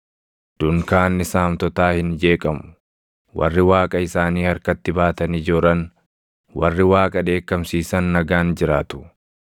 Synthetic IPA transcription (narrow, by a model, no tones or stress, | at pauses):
d̪̥ʊŋkaːnːɪsaːmt̪ɔt̪aːhɪnd͡ʒe̞ːkʼɐmʊ̥ | wʔɐ̰rːɪwaːkʼɐɪsaːniːhɐɾkɐt̪ːɪbaːt̪ɐnid͡ʒɔːɾɐn | wɐ̰rːɪwaːkʼɐd̪e̞ːkːɐmsiːsɐnːɐɡaːnd͡ʒɪɾaːt̪ʊ̥